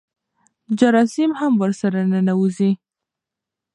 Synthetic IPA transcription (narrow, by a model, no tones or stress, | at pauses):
d͡ʒaɾɑsɪmhamwəɾsaɾanənawuzi